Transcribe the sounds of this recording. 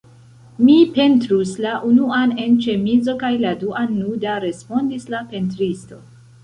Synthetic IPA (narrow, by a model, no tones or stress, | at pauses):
mipe̞ntɾuslaʔunuane̞nt͡ʃe̞mid͡zo̞kajladuʔanːudaɾe̞spo̞ndislape̞ntɾisto̞